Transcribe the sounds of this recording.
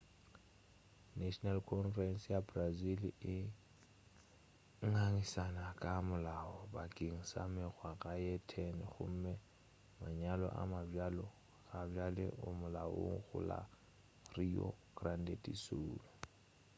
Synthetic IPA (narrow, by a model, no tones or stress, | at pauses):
naʃɔnalkʰɔnfrɛnsjabrazilɪ | ŋaŋisanakʼamʊlaɔbakʼiŋ̩sa̰mɛɣwaɣajɛtʰɛnɪɣʊ̰m̩mɛ | maɲalɔ̰ʔa̰mavalɔ | ɣabjalɛ̰ʔʊmʊlao̰ŋ̩ɣʊ̰la̰ | riɔ̰ɡ̥randetʼisuːlɔ